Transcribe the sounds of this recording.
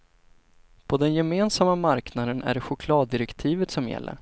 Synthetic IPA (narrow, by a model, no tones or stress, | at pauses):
pʰɔd̪ɛnjɛmeːnsamːamaɾknad̪ənæ̰ɖɛɧʊkʰlɑːd̪ːɪɾɛkt̪ʰiːvət̪sɔmjɛ̰lːʔə̰ɾ